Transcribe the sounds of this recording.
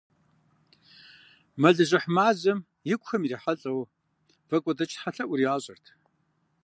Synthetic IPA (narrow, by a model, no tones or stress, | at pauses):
mɐɮɨʑɐħmaːzɨm | jɪkʷxɐmiriːħaɬʼɐw | v̥ɐkʷʼɔdɐt͡ʃʼħaɬɐʔʷʊɾiaːɕʼɐrtʰ